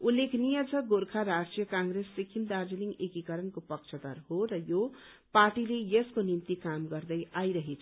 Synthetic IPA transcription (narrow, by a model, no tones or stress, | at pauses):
ulːekʰnijʌd͡zʌɡoɾkʰaɾasijʌkãŋɡɾesːikʰind̪aɾd͡ziliŋɡekikʌɾʌnkopʌkt͡ʃʰʌd̪ʌ̰ɾɦoɾʌjo | parʈilejeskonint̪ikamɡʌrd̪ʌjʔajɾʌɦet͡sʰ